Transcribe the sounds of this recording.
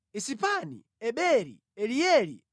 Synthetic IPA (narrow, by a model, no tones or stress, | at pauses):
isipanḭ | ɛɓɛɾḭ | ɛɾijɛɾḭ